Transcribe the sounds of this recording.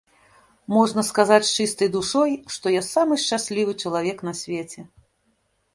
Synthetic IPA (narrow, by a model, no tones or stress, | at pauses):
mɔʐnɐskazat͡sʲt͡ʂɨst̪ɐjd̪uʂɔjʂt̪ɔjasamɨʂt͡ʂasʲlʲivɨt͡ʂɐlˠavʲɛknɐsʲvʲɛt͡sʲɛ